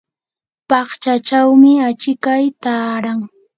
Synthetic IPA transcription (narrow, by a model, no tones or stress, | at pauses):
pɑχt͡ʃat͡ʃawmɪat͡ʃɪkajt̪aːɾaŋ